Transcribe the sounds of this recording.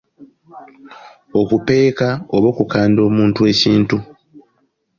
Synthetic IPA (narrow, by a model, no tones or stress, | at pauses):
o̞kupe̞ːkaoβo̞ːkukaːndo̞ːmuːntue̞ːciːntu